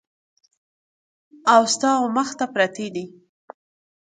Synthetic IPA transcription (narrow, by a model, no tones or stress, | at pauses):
awst̪ɑoməxt̪apɾɑt̪ed̪i